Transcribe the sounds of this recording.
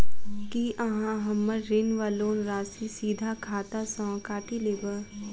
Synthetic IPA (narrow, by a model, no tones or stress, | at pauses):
kiʔɐɦãɦɐmːəɾɾɪnʋaloːnɾaːsisiːd̪ʱakʰaːt̪asɔ̃ːkaːʈileːbəɾ